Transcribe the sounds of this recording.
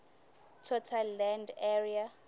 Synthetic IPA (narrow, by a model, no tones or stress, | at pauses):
tʰɔtʰalːɛndɛria